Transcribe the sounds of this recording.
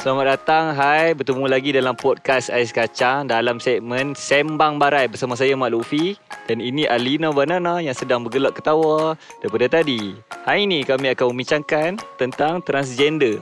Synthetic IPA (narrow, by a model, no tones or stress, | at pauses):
samat̪̚dat̪aŋɦajbət̪əmulaɡidalampɔd̚kasa̰iskat͡ʃaŋdalamsɛk̚mənsɛmbaŋbaɾajbərsamasajamaʔlufid̥aniniʔalinabananajaŋsədaŋbəɡəlaʔkːə̥t̪awadaɾipadat̪adihajinikamiakanməmbiɲt͡ʃaŋkant̪ənt̪aŋt̪ɾans̬d͡ʒɛndə